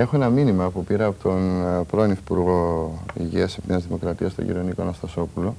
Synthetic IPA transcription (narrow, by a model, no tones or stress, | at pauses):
e̞xoe̞nɐminimɐːpupiɾɐːpot̪onpɾoniθi̥puɾɣo̞ḭʝiɐsepneɐzðimo̞kɾɐt̪iɐst̪o̰ɟḭɾo̞nikonɐst̪ɐso̞pulo